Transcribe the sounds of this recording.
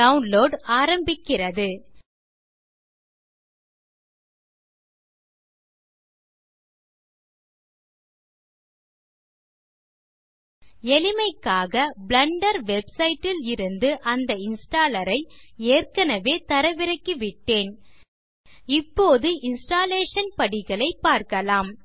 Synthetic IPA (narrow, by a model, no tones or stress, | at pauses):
ɐʊnloːɖaːɾɐmbɪkːɪrɐðɯ | ɛɭɪmɐɪkːaːɣɐblɐɳɖɐɾʋɛbsɐɪʈːɪlɪɾɯnd̪ɯʔɐnd̪ɐɪnsʈaːlɐɾɐɪeːrkɐnɐʋeːt̪ɐɾɐʋɪɾɐkːɯʋɪʈːeːn | ɪpːoːðɯʔɪnsʈaːleːʂɐnpɐɽɪɣɐɭɐɪpːaːɾkɐlaːm